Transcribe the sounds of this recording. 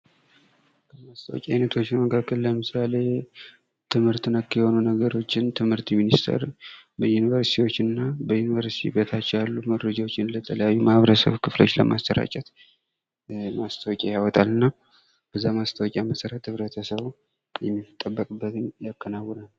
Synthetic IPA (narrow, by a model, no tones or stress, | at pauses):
kʰəmast̪ʰəwɔ̰kʲʼajnət̪ʰo̞t͡ʃːɪnməkʰakːəlləmɨsale̞ | t̪ʰɨmhɨɾt̪ɨnəkːjɛho̞nunəɡəɾo̞t͡ʃːɪnt̪ʰɨmhɨɾt̪minist̪ʰə̰ɾbəjunivəɾsi̥t̪ʰiwo̞t͡ʃːɨnːabəjunivəɾsit̪ʰḭbet̪ʰat͡ʃːjalːuməɾəd͡ʒawot͡ʃːɪnlət̪ʰələjajːumahβɾəsə̰βkʰɨflo̞t͡ʃːlə̰ma̰st̪ʰəɾa̰t͡ʃʼɛt̪ | mast̪ʰəwɔkʲʼajawɔt̪ʼalɨnːa | b̥əzːamast̪ʰəwɔkʼjaməsəɾət̪hɨβɾət̪ʰəsəβ | jɛmːit̪ʼːəbːəkʼɨbːət̪ʰɨmjakʼːənawːɔnal